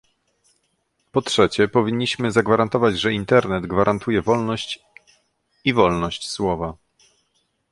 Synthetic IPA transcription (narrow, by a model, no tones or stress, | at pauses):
pɔtʂɛt͡ɕɛpɔvʲiɲːiɕmɘzaɡvaɾant̪ɔvad͡ʑʐɛint̪ɛɾnɛd̪ɡvaɾʔant̪ujɛvɔlnɔɕt͡ɕ | ivɔlnɔɕt͡ɕswɔva